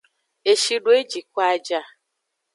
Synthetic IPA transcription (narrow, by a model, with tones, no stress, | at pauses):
e˨ʃi˦ɖo˨˦e˦d͡ʒi˨kʷa˦d͡ʒa˦